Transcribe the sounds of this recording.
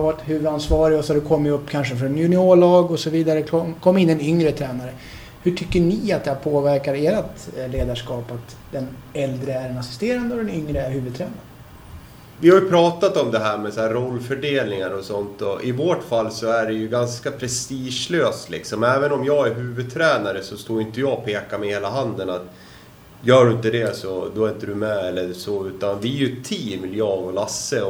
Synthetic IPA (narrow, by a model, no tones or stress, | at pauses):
vaɾt̪hʉ̟ːvəd̪ansvɑːɾɪɡɔsɔad̪ɛkʰɔmːjɵpːkʰanʂ̬əfɾɔnjʉnɪoːɭɑːɡɔsɔviːd̪aɾəkɔkʰɔmːɪnːɛnʏŋɾət̪ʰɾɛːnaɾə | hɵʈʰʏkːəɳiat̪̚d̪ɛhæːɾpʰoːvæɾkaɾeːɾat̪leːd̪aʂkɑːpat̪ | d̪ɛnɛld̪ɾəæɾɛnasɪ̥st̪eːɾand̪əɔd̪ɛnʏŋɾəæɾɦʉ̟ːvɵd̪t̪ʰɾɛːnaɾə | vɪhaɾjɵpʰɾɑːt̪at̪ɔmd̪ɛɦæːɾmɛsɛæɾɔlːfœɖeːlnɪŋaɾɔsɔnt̪ɔʔɪvoːʈfalːsɔæɖɛjɵɡanskapʰɾɛst̪iːʂløːst̪lɪ̰ksɔmɛːvənɔmjɑːɡæɾɦʉ̟ːvɵd̪̚t̪ʰɾɛːnaɾəsɔst̪oːɾjʏnt̪əjɑːpʰeːkamɛheːlaɦand̪ənat̪ | jœːɖɵɪnt̪əd̪ɛsɔd̪ɔɪɪnt̪ːəɖɵmɛɛlːəsɔʉ̟ːt̪and̪ɛæɾjɵt̪ʰːiːmɪljɑːɡɔlasːə